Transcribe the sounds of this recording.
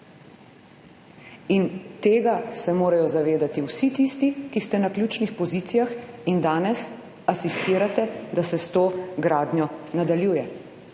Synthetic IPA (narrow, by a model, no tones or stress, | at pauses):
int̪eːɡasɛmoːɾajɔzaʋeːd̪at̪iwsit̪ist̪ikist̪ɛnaklʲjuːt͡ʃnixpɔziːt̪sijaxind̪aːnɛs | asist̪iːɾat̪ɛd̪asɛst̪oːɡɾaːd̪ɲjɔnad̪aljuːjɛ